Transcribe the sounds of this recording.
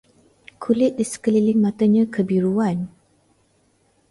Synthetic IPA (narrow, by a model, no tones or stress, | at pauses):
kʰulɪt̪̚disə̥kəlilɪŋmãt̪əɲãkʰəbiɾuan